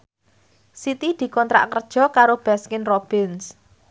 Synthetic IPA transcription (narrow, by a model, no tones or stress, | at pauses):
sit̪id̪̥i̤kɔnt̪ɾa̰ʔkərd̥ʒ̥ɔ̤kaɾob̥askɪnrob̥ɪns